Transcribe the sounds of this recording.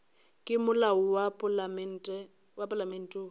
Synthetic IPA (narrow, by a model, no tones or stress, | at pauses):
kʼɪmʊlaʊwapʼlmɛn̩tʼɛ | wapʼalamen̩ːtʼo